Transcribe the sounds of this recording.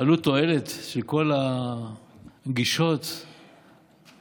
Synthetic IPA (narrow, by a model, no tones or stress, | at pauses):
alut̪o̞elet̪ʃelko̞la | ɡiʃo̞t̪